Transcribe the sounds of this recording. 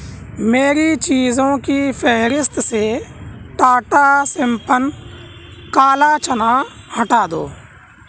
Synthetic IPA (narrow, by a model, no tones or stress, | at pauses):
meːɾit͡ʃiːzõkipʰɛɦɾɪst̪seʈaːʈasɪmpən | kaːlat͡ʃənaːhɐʈaːd̪o̰ː